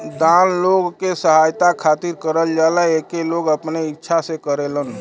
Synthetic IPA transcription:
d̪anloɡkesəɦajt̪akʰat̪iɾkəɾəld͡ʒaləekeloɡəpneitːʃʰasẽkəɾelən

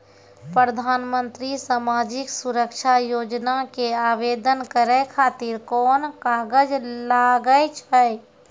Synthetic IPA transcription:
pɾəd̪ʱaːnmə̃nt̪ɾisamaːd͡ʒɪksʊɾəkʃʰajoːd͡ʒnakeaːʋeːd̪ənkəɾekʰaːt̪ɪɾkɔːnkaːɡəd͡ʒlaːɡəjt͡ʃʰəj

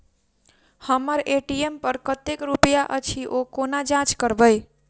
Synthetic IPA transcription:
həməɾeʈiempəɾkət̪ekɾupəjaʔət͡ʃʰiʔokonad͡ʒãt͡ʃkəɾbəj

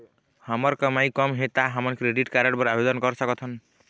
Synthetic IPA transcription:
hamɔɾkʌmajkɔmɦet̪aɦamɔnkɾeɖiʈkaɾaɽbɔɾabed̪ɔnkɔɾsʌkɔt̪ʰɔn

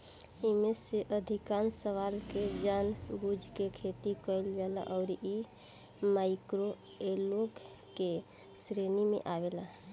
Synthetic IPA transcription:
imeseʔəd̪ʱikansəʋalked͡ʒanbud͡ʒʱkekʰet̪ikəɪld͡ʒala̰ʔɔʊɾi | maɪkɾo | eloɡ | ke | sɾenimḛʔaʋela

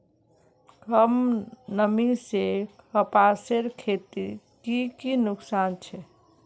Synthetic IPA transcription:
kəmnəmiseəpaseɾkʰet̪iɾ | kikinuksant͡ʃʰɛ

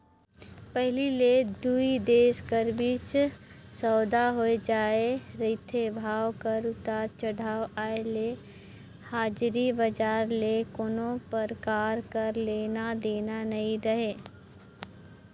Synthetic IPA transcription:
pɛɦliled̪uid̪eːʃkəɾbɪt͡ʃ | sɔːd̪aɦoed͡ʒaːeɾɪt̪ʰebʱaːʋkɐɾʊt̪aːɾt͡ʃɐɽ̤aːwaːele | haːd͡ʒɾibɐd͡ʒaːɾlekonõpɐɾkaːɾkɐɾleːnad̪eːnanɐɦĩɾɐɦeː

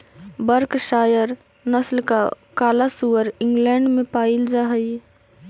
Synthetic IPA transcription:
bəɾkʃaːjəɾ | nəslka̰ | kaːlasuəɾɪ̃ŋɡlɛːɳɖmẽpaːild͡ʒaɦəj

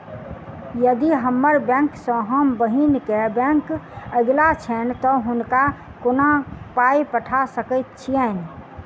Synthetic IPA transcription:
jəd̪iɦəmːəɾbɛ̃ŋksə̃ɦəmbəɦinkebɛ̃ŋkəɡlat͡ʃʰɛnt̪ɔɦʊnka | konapaipəʈʰasəkət̪t͡ʃʰiɛn

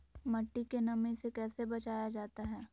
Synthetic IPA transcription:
mɐʈːikenɐmisekɛːsebɐt͡ʃaːjad͡ʒaːt̪aɦɛː

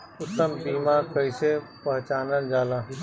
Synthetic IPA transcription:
ʊt̪ːəmbiːmaːkəɪsepɐɦt͡ʃaːnənd͡ʒaːlãː

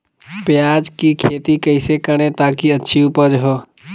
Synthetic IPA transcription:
pjaːd͡ʒkikʰeːt̪ikəɪsekəɽ̃ẽt̪aːkiɐtːʃʰiupəd͡ʒɦoː

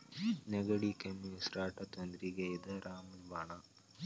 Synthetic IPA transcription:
neɡɐɽikemisɾaːʈɐt̪ond̪ɾiɡejd̪ɐɾʔaːmulʋaːɳa

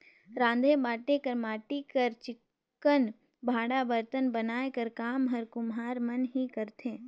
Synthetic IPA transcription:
ɾãːnd̪ʱebaːʈekɐɾmaːʈikɐɾt͡ʃɪkː | ən | bʱaːɽabəɾt̪ənbɐnaːekɐɾkaːmɦɐɾkʊmɦaːɾmɐnɦikɐɾt̪ʰẽː

